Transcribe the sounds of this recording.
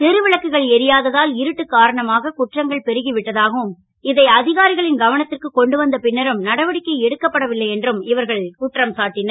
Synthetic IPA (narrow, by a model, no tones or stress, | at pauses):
t̪ɛɾɯʋɪɭɐkːɯɣɐɭɛɾɪjaːðɐðaːlɪɾɯʈːɯkːaːɾɐɳɐmaːɣɐkʊʈrɐŋɡɐɭpɛɾɯɣiʋɪʈːɐðaːɣɐʋɯm | ɪðɐɪɐðɪɣaːɾɪɣɐɭɪnɡɐʋɐnɐt̪ːɪrkɯkɔɳɖɯʋɐnd̪ɐpɪnːɐɾɯmnɐɽɐʋɐɽɪkːɐɪɛɽɯkːɐpːɐɽɐʋɪlːɐɪjɛndrɯmɪʋɐɾɣɐɭkʊʈrɐmsaːʈːɪnɐɾ